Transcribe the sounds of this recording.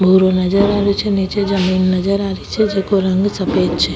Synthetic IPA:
bʱuːɾonɐd͡ʒɐɾaːɾit͡ʃenit͡ʃed͡ʒɐmiːnnɐd͡ʒɐɾaɾit͡ʃed͡ʒekuɾɐŋɡɨsɐpeːt͡ʃːi

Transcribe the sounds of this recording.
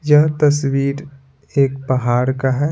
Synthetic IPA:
jɐɦt̪ɐswiːɾ | eːk̚pɐɦaːɾkaɦɛ

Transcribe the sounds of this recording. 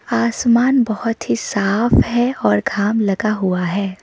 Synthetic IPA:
aːsmaːnbɐhʊt̪ɦisaːfɦɛɔːɾɡʱaːmlɐɡaɦuaɦɛː

